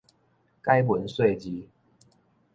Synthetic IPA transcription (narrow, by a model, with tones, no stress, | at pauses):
ka˦ɪwə˨˦nswe˥˨ɪt͡ɕi˦